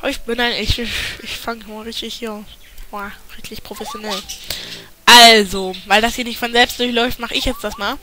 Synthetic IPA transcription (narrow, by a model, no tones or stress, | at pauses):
ɪçb̥ɪnaɪnʔɪçʔɪçfaŋmaʁɪçtɪçhiːɐa | waʁɪtɪçpʁ̥ofɛsjonɛl | ʔalzovaɪldashiːɐnɪçtfɔnzɛlpstd̥ʊɐçlɔʏftmaχəʔɪçjɛt͡sd̥asmaːl